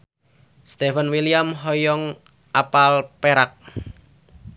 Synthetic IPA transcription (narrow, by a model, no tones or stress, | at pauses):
st̪efənwilijamɦɔjɔŋ | ʔapalpeɾak̚